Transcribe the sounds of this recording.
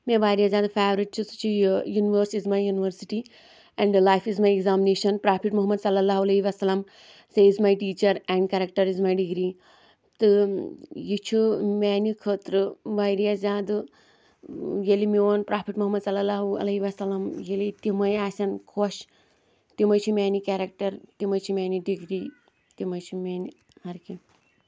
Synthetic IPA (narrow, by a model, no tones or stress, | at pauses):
mẽʋaːjɾiazʲãːd̪feːʋɾiʈ̚t͡ʃʰusu̥t͡ʃʰijuːniʋəɾsizmajjuːniʋəɾsiʈi | ɛ̃ɳɖlajfizmajeɡzaːmineːʃɐnpɾaːpʰiʈmuɦɐmːɐd̪sɐlːɐlːaːɦuɐleiʋɐsɐlɐm | seizmajʈiːt͡ʃɐɾɛ̃ɳɖkɛɾɐk̚ʈɐɾizmajɖiɡɾiː | t̪ɨ | jit͡ʃʰumɛːnikʰət̪ɾɨʋajɾijazʲaːd̪ɨ | jelimiʋonpɾaːpʰiʈmuɦɐmːɐd̪sɐlːɐlːaːɦuɐ̰lɐɦiʋɐsɐlːɐmjelit̪imɐjaːsʲɐnkʰoʃ | t̪imɐjt͡ʃʰimʲaːnikʲaːɾɐk̚ʈɐɾt̪imɐjt͡ʃʰimʲaːniɖiɡɾiː | t̪imɐjt͡ʃʰimʲaːni | hɐɾki